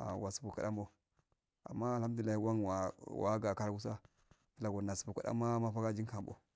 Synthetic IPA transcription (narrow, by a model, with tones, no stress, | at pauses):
a̰˨wa˨su̥˨bu˨ka˨ɗa̰˦mbo˦ | a̰˨mːa˦˨lha˦m˦di˨a˦hi˦wa˦ŋwa˨wa̰˨˦ɡa˨ka˦ɾa˦ɡu˦s̬a˦ | ki˦la˨ɡo˨na˨su̥˨bu˨ka̰˨ɗa̰˦mːa˦ma˦fa˦ɡa˦d͡ʒi˦ŋka˨mbo̰˦